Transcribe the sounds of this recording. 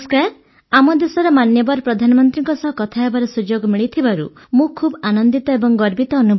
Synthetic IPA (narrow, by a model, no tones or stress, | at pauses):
skaɾ | amɔd̪esɔɾɔmanjɔbɔɾpɾɔd̪ʱanɔmɔnt̪ɾiŋkɔsɔɦɔkɔt̪ʰaɦebaɾɔsud͡ʒoɡɔmiɭit̪ʰibaɾṵ | mũkʰubɔanɔnd̪it̪ɔebɔŋɡɔɾbit̪ɔːnubʱ